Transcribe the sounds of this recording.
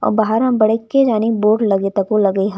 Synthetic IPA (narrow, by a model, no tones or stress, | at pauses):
ɔ̰ːɾbaːɦəɾɦɐ̃mbɐɽekːed͡ʒaːniboːʈlɐɡet̪ɐkolɐɡiɦɐ̃